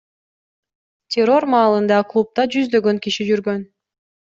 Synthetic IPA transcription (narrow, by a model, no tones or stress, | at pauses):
tʲʰero̞rmɑːlˠɯnd̪ɑklˠup̚t̪ɑd͡ʒyzd̪ø̞ɡøŋkiʃid͡ʒyɾɡøn